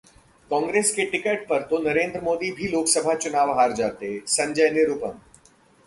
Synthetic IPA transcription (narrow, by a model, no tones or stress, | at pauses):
kɔ̃ːŋɡɾeːskeʈɪkəːʈ̚pɐɾt̪onɐɾẽːnd̪ɾəmoːd̪ibʱiloːksəbʱat͡ʃʊnaːʋɦaːɾd͡ʒaːt̪eɦɛsɐ̃ɲd͡ʒəjnɪɾʊpə̃m